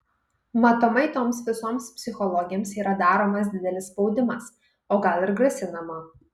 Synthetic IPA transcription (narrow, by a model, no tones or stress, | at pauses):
mɐt̪omɐɪt̪oːmsʋʲɪsoːmspʲsʲɪxɔlˠɔɡʲɪjoːmsiːɾɐd̪ɑːɾoːmɐsd̪ʲɪd̪ʲɛlʲɪsspɒʊd̪ʲɪmɐs | oːɡɐlˠɪɾɡɾɐsʲɪnɐmɐ